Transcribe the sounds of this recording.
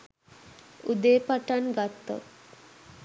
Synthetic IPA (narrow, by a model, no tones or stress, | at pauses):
ud̪eːpaʈanɡat̪ːo̰t̪